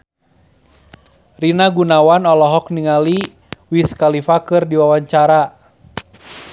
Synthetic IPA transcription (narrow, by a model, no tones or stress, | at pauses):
rinaɡunawanɔlɔɦɔkniŋali | wiskalifakɨrdiwawaɲt͡ʃaɾa